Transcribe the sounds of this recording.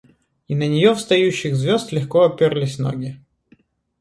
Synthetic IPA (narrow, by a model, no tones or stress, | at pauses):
inənʲɪjofst̪ɐjʉɕːɪxzvʲost̪lʲɪxkoɐpʲerlʲɪsʲno̰ɡʲɪ